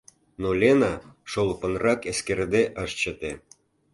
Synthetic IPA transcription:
nolʲenɑʃolˠpənrɑkeskerd̪eʔəʃt͡ɕə̆t̪e

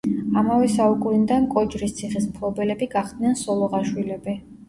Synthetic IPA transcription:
amavɛsaukʼund̪ankʼɔd͡ʒɾist̪sʰiχismpʰlˠɔbɛlɛbiɡaχd̪nɛnsɔlˠɔʁaʃwilɛbi

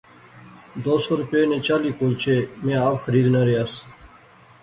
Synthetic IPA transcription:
d̪oːsoːɾʊpeːnẽːt͡ʃaːliːkoːlt͡ʃʰeːmẽːaːpxəɾiːd̪nəɾeaːs

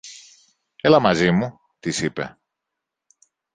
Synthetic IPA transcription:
e̞lɐmɐzimu | t̪isipe̞̰

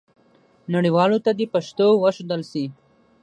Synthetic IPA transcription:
naɽiwɑːlot̪ad̪epaʃt̪owəʃod̪əlsi

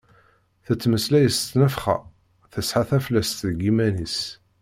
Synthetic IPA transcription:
θət͡sːməslæjəst̪ːnəfχæ̰ | θəsħaθæflæst̪ðəɡimænis

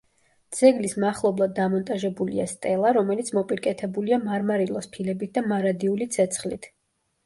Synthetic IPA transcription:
d̪z̥ɛɡlismaχlˠɔblˠad̪̚ːamɔnt̪ʼaʒɛbulḭa̰st̪ʼɛlˠaɾɔmɛlit̪sʰmɔpʼiɾkʼɛt̪ʰɛbuliamaɾmaɾilˠɔspʰilɛbit̪̚ʰd̪amaɾad̪iulit̪sʰɛt̪sʰχlit̪ʰ

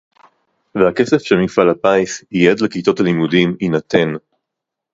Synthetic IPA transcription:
vehake̞se̞fʃemifalapajsijed̪lekit̪otalimudiminat̪ʰe̞n

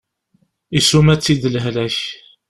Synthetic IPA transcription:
isumæt͡sːid̪lɦlæç

